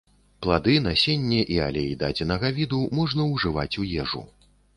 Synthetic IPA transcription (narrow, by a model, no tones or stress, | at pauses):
plˠad̪ɨnasʲenʲːɛʔia̰lʲɛid̪a̰d͡zʲinɐɣavʲid̪umɔʐnɐwʐɨva̰t͡sʲujɛʐṵ